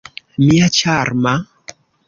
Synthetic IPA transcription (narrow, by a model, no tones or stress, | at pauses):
miat͡ʃaɾma